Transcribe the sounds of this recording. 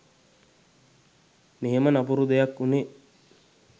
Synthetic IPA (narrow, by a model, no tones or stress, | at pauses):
neɦemənapuɾud̪ejakːune